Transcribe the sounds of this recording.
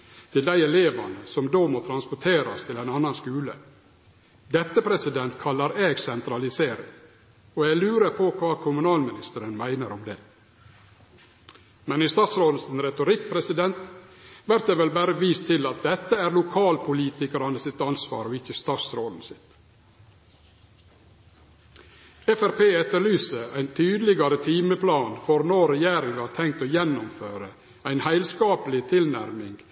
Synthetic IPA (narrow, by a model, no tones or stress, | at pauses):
t̪ʰɪld̪æɪɛleːʋɑ̰nəsɔmd̪oːmot̪ʰɾɑnspɔʈʰeːɾɑ̰st̪ʰɪlæɪnɑnːɑnskʉːlə̰ | d̪ɛt̪ːəpʰɾɛsɪd̪ɛnt̪kʰɑlːɑɾeːɡsɛnt̪ɾɑlɪseːɾɪ̰ŋ | ɔɛɡlʉːɾəɾpʰɔkʰʋɑːkʰʊmʉnɑːlmɪnɪst̪əɾənmæɪnəɾɔmd̪ɛː | mɛnɪst̪ɑːt̪sɾoːd̪n̩sɪnɾɛt̪ʊɾɪk̚ːpʰɾɛsɪd̪ɛnt̪ʋæɾt̪̚d̪eːʋɛlbæːɾəʋiːst̪ʰːɪlɑt̪̚d̪ɛt̪ːəæːɾlʊkʰɑːlpʰʊliːt̪ɪkəɾɑnəsɪt̪ɑnsʋɑ̰ːɾɔɪçəst̪ɑːt̪sɾoːd̪n̩sɪt̪ | ɛfæɾpeːɛt̪ːəɾɭyːsəʔæ̰ɪnt̪ʰyːd̪lɪɡɑɾət̪ʰiːməpʰlɑːnfɔɾnoːɾɛjeːɾɪŋɑt̪ʰɛŋkt̪oːjɛnːʊmføːɾə | æɪnhæɪlskɑːpəlɪt̪ʰɪlnæ̰ɾmɪŋɡ